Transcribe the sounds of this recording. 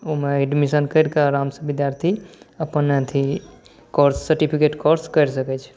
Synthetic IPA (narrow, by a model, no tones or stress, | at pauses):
omeeɖmisənkəjɾkaɾamsəbid̪jaɾt̪ʰiəpənet̪ʰi | koɾsːəɾʈipʰikeʈkoɾskəjɾsəkɛt͡ʃʰ